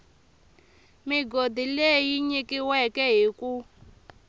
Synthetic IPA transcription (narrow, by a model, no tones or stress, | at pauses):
miɡodilejiɲikiwɛkɛɦiku